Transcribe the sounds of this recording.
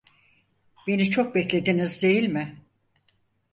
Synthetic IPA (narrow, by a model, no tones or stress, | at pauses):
b̥e̞nit͡ʃʰok̚bɛclʲe̞d̪inizd̪e̞jilʲmɪ